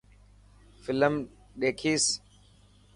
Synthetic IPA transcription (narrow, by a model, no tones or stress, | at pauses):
fɪləm | ɗeːkʰiːs